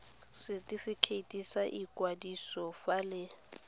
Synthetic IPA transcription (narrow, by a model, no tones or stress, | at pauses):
sɪtʼifikʰeitʼisaʔikʼwadisɔfalɪ